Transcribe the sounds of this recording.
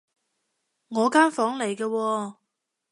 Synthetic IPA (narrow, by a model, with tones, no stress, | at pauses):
ŋɔː˨˧kaː˥nfɔː˨˥ŋle˨˩jkɛː˧wɔː˧